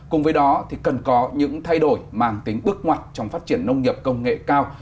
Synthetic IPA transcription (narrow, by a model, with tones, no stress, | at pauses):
kʊ˨˩ŋ͡mvəː˨˦jɗɔ˨˦t̪ʰi˨˩kə˨˩nkɔ˨˦ɲɨ̰˧˥ŋt̪ʰa˧jɗo˧˩jmaː˧˩ŋt̪ï˨˦ŋ̟ɓɨ˦˥ək̚ŋwa˨˩jt̟̚t͡ɕɔ˧wŋ͡mfaː˦˥t̚t͡ɕi˧˩ənːə˧wŋ͡mŋi˨˩əp̚kə˧wŋ͡mŋḛ˧˨kaː˧w